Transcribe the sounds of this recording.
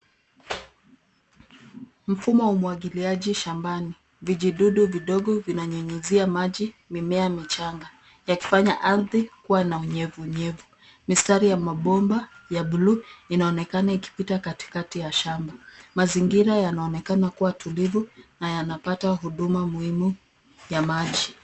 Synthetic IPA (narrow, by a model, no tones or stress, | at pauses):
m̩fumɔwumwaɠiliaʄiʃambani | viʄiɗuɗuviɗɔɠɔvinaɲɛɲɛziamaʄi | mimɛamit͡ʃaŋɡa | jaki̥faɲaʔaɾðikuwanauɲɛvuːɲɛvu | mistaɾijamaɓɔmbajaɓuluinaɔnɛkanaiki̥pitakati̥katijaʃambamaziŋɡiɾajanaɔnɛkanakuwatulivunajanapataɦuɗumamuhimu | jamaʄi